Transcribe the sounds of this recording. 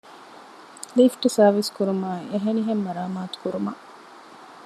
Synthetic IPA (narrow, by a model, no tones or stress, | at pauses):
lifʈsɐːʋiskuɾumaːeɦeniɦemːɐɾaːmaːt̪u̥kuɾumɐʔ